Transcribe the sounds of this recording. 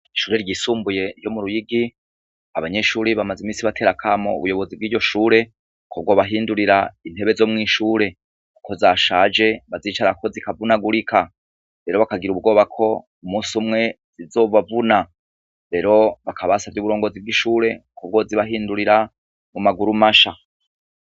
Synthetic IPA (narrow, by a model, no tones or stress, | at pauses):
iʃuːɾeɾɟisuːmbuje̞jo̞muɾujiɡi | aβaɲe̞ʃuːɾeβamazimiːsiβatʰe̞ːɾakʰamo̰ṵβujo̞βo̞zibɡiːɾɟo̞ʃuːɾe̞ | kʰoβ̚ɡo̞βaɦiːnduɾiɾain̥he̞βezo̞ːmŋiːʃuːɾe̞ | kʰo̞zaʃaːd͡ʒe̞βaziːt͡ʃaɾako̞zikavunaɡuɾikʰa | ɾe̞ɾo̞βakaɡiɾuβɡo̞ːβakʰo̞ | umuːsumŋe̞ | z̥izo̞vavuna | ɾe̞ɾo̞βakʰaβasavjuβuɾo̞ːŋɡo̞zib̚ɡiʃuːɾe̞koβɡo̞ziβaɦiːnduɾiɾa | mumaɡuɾumaʃa